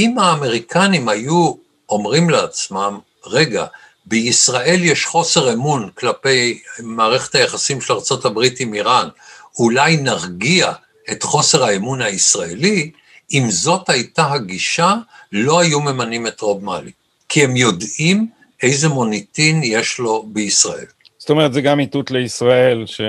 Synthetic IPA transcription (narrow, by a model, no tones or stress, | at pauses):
imaːme̞ʁikʰanimhaju | o̞mʁimleat͡smam | ʁe̞ɡa̰ | beisʁae̞ljeʃχo̞se̞ʁemunklape̞jmaːʁe̞χetajaχasimʃelaʁt͡sotabʁitimiʁanulajnaʁɡia | etχo̞se̞ʁhaemunaisʁaeli | imzo̞thajtaɦaɡiʃalo̞hajume̞manime̞tʁo̞bmali | kʰihe̞mjo̞dim | e̞jze̞mo̞nitinjeʃlo̞beisʁaʔe̞̰l | zotomeʁet̪zeɡamit̪ut̪leisʁaelʃe